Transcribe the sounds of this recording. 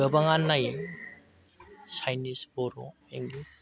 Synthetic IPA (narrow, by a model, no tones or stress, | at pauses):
əbaŋanːaj | sajnisbɔɾo̰ | eŋlis